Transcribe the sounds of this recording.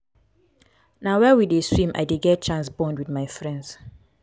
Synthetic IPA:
nawɛwideswĩmʔa̰ɪdeɡɛt̚t͡ʃãnsbɔ̃ndwidmaɪfɹɛ̃ndz̥

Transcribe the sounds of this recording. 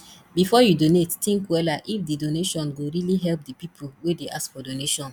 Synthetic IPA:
bifɔjudonettĩŋkwɛlaʔifdidoneʃɔ̃nɡoɹiliɦɛlp̚dipipʰowedeʔaskfɔdoneʃɔ̃n

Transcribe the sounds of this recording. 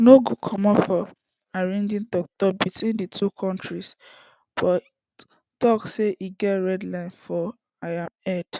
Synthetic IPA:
noɡukʰɔmɔfɔ | aɹɛ̃ndĩntɔk̚tɔp̚bitwĩnditʰukʰɔ̃ntʰɹis | b̥ɔi | tɔksseʔiɡɛtɹɛdlãɪ̃nfɔ | aãmɛd̥

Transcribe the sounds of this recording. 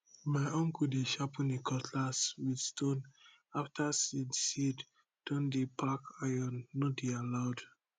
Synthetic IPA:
maɪɔ̃ŋkudeʃapʰĩnekʰɔtʰlaswidstõn | aftʰasidsid | d̥ɔ̃ndepʰakajɔ̃nːodealaʊd

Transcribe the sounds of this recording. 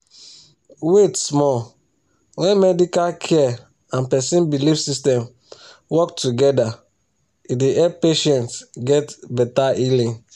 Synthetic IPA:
wetsmɔ | wɛ̃nmɛdikalkʰɛ | ãnpɛsĩnbilifsistɛ̃m | wɔktuɡɛda | ideʔɛppeʃɛ̃ntɡɛtbɛtaʔilĩ

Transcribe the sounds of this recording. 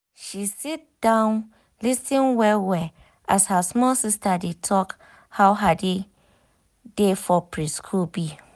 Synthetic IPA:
ʃisit̚d̥ãʊ̃n | lisĩnwɛlwɛ | ashasmɔlsistadetʰɔk | hawɦade | defɔpɹiskʰulbi

